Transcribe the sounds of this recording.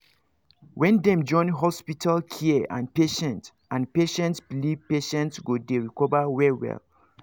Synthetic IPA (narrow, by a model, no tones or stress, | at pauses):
wɛ̃ndɛ̃md͡ʒɔ̃ɪ̃nɦɔspitʰalkʰiəã̰npeʃɛ̃nt | ãnpeʃɛ̃ntsbilivpeʃɛ̃ntsɡodeɹikɔvawɛwɛ̰l